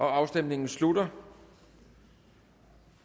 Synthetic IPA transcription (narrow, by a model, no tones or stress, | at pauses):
ʔɒ̽ɑ̈ʊsd̥emne̝ŋn̩slud̥ɐ